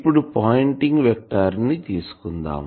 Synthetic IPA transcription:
pːuɽupaːjɳʈiŋɡʋɛk̚ʈaɾnit̪iːsu̥kund̪a̰ːm

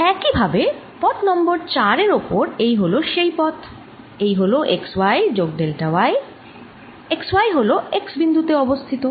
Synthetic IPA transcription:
ɛkibʱabe | pɔt̪nɔmboɾt͡ɕaɾeɾopoɾejɦoloʃejpɔt̪ʰ | ejɦoloʔekswajd͡ʑoɡ̚ɖelʈawae | ekswajɦoloeksbind̪ʱut̪eɔbost̪ʰit̪o

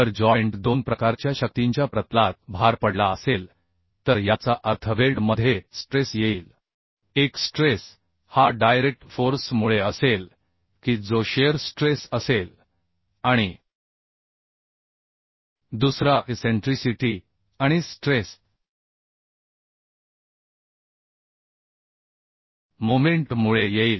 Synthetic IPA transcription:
t̪əɾd͡ʑɔjɳʈd̪onpɾəkaɾt͡ɕjaɕək̚t̪iɲt͡ɕjapɾət̪lat̪̚bʱaɾpəɽlaəsel | t̪əɾjat͡saʔəɾt̪ʰəʋelɖməd̪ʱjesʈɾesjeiːl | eksʈɾes | haɖajɾek̚ʈfoɾsmuɭeəsel | kiːd͡zoɕeəɾsʈɾesəsel | aɽ̃i | d̪usɾaʔeseɳʈɾisiʈi | ãisʈɾes | momeɳʈmuɭejeiːl

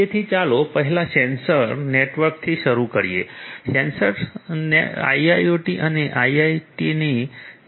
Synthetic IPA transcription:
et̪ʰiːt͡salopəɦilasɛnsəɾneʈʋəɾk̚t̪ʰiːɕəɾukəɾjesɛnsəɾnea̰iajoʈiʔaniʔajajʈiniː

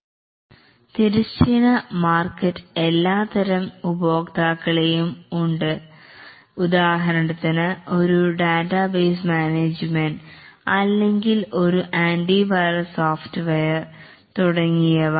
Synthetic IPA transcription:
t̪iɾist͡ɕːinɐmaːrkːɐtːɨ̥e̞lːaːt̪ɐɾɐmubo̞ːkt̪aːkːɐɭejumuɳɖɨ | ud̪aːɦɐɾɐɳɐt̪ːɐnɐo̞ɾuɖaːtːɐbeːs̬maːneːd͡ʑmenɖɐlːeŋɡilo̞ɾuʔaːnɖibajrɐsoːftɨʋejɐr | t̪uɽɐŋːijɐʋɐ

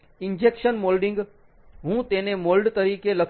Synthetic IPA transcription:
ɪnd͡ʑeːkʃənmoːlɖɪ̃ŋɡ | ɦũːt̪ẽːnẽmoːlɖt̪ɐɾiːkelɐk

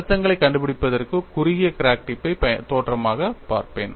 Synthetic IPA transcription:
t̪ːɐŋɡɐɭɐɪkːɐɳɖɯpɪɽɪpːɐðɐrkɯkʊɾɪɪjɐkɾaːk̚ʈɪpːɐɪpɐt̪oːʈrɐmaːɣɐpa̰ːɾpḛːn

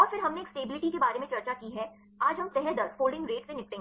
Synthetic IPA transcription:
ɔːɾfɪɾɦɐmneːksʈeːbɪlɪʈikebaːɾemẽt͡ʃɐɾt͡ʃakiɦɛ | aːd͡ʒɦɐmsɛɦɛd̪əɾfoːlɖɪ̃ŋɡɾeːʈsẽnɪk̚ʈẽŋɡ

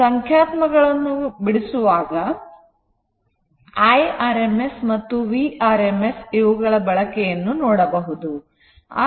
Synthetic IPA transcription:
ɐŋkʰjaːt̪mɐɡɐɭɐnːubiɽisuʋaːɡɐ | ɐjaːɾemesmɐt̪ːuʋiaːɾemesiʋɐɡɐɭɐbɐɭɐkɛjɐnːunoːɽɐbɐɦud̪u | a̰ː

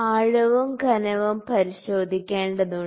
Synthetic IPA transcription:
aːɻɐʋɐmɡʱɐnɐʋɐmpɐɾiɕo̞ːd̪ʱikʲːeːɳɖɐðu

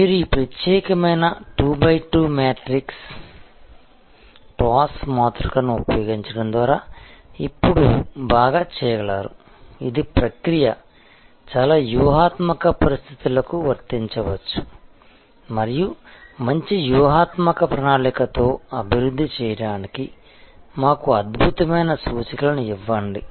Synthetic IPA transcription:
miːɾuiːpɾɐt̪jɛːkɐmɐjnɐʈuːbɐjʈuːmɛːʈɾiks | ʈaːsmaːt̪ɾɐkɐnuupɐjoːɡiɲt͡ʃɐɽɐmd̪ʋaːɾaːipːuɽubaːɡaːt͡ʃɛːjɐɡɐɭaːɾu | id̪ipɾɐkɾijɐ | t͡ʃaːlaːjuːɦaːt̪mɐkɐpɐɾist̪ʰit̪ulɐkuʋɐɾt̪iɲt͡ʃɐʋɐt͡ʃːu̥ | mɐɾijumɐɲt͡ʃijuːɦaːt̪mɐkɐpɾɐnaːɭikɐt̪o̞ːɐbʱiɾud̪ʱːit͡ʃɛːjɐɽaːniki | maːkuɐd̪bʱut̪ɐmɐjnɐsuːt͡ʃɐkɐlɐnuiʋːɐɳɖi

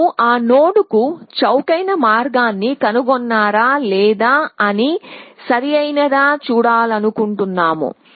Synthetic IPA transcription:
ʔaːnoːɽukut͡ʃɐwkɐjnɐmaːɾɡaːnːikɐnuɡɔnːaːɾaːlɛːd̪aːɐnisɐɾijɐjnɐd̪aːt͡ʃuːɽaːlɐnukuɳʈunːaːmṵ

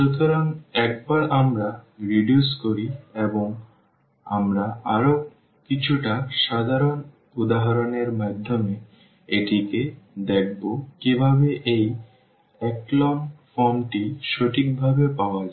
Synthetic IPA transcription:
ʃot̪oɾaŋɛk̚baɾʔamɾaɾiɖjuskoɾieboŋ | amɾaaɾo | kit͡ɕʰuʈaʃad̪ʱaɾon | ud̪aɦaɾoneɾmad̪ʱːome | eʈiked̪ek̚ʰbokibʱaβeʔej | ɛklɔmfɔmʈiʃoʈʰik̚bʱabepaoad͡ʑa

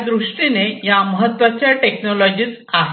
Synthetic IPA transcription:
d̪ɾuʂʈinejaməɦət̪ːʋat͡ɕjaʈeknɔlɔd͡ʑiːt͡saɦ

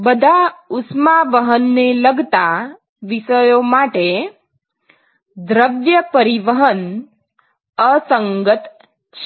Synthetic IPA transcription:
bəd̪ʱaʊsmaʋəɦənːeləɡt̪a | ʋisəjomaʈe | d̪ɾəʋjəpəɾiʋəɦən | əsəŋɡət̪ | t͡ʃʰ

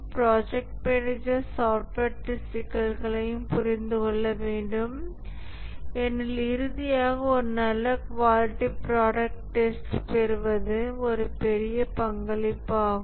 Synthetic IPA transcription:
pɾaːd͡ʒɛk̚ʈ̚mɛnɪd͡ʒɐɾsaːʈɐʈːɪsʈɪkːɐɾɣɐɭɐjɯmpʊɾɪnd̪ɯkɔɭːɐʋeːɳɖɯm | ɛnːɪlɪɾɯðɪjaːɣɐɔɾɯnɐlːɐkʋaːlɪʈːipɾaːɽɐk̚ʈʈːɛsʈpɛɾɯʋɐðɯɔɾɯpɛɾɪjɐpɐŋɡɐɭɪpːaːɣ

